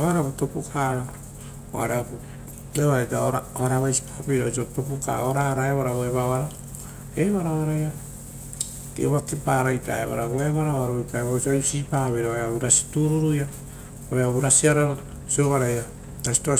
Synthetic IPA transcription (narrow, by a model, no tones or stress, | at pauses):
βaɾaputopukʰaɾo | o̰a̰ɾeapu | eβaɾajtaoɾaβaɾaβajsi̥pḁpiɾosotopuka̰oɾaɾaeβaɾaβoeβaβaɾo | eβaɾaβaɾaja | kḛβakepaɾajta̰ḛβa̰ɾaβoeβaɾaβaɾojpaeβaosasipaβeɾaβeaβuɾasi̥tuɾuɾuja | oeaβuɾasiaɾaβa | sioβaɾaja | tasi̥to